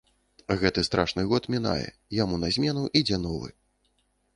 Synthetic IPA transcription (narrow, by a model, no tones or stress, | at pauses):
ɣɛt̪ɨst̪ɾʔaʂnɨɣɔt̪mʲina̰jɛ̰ | jamunɐzʲmʲɛnuʔid͡zʲɛnɔvɨ̰